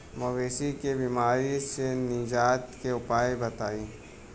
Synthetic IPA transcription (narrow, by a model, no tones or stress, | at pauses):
mɐʋeːsikebiːmaːɾisenɪd͡ʒaːt̪keʊpaːebɐt̪aːiː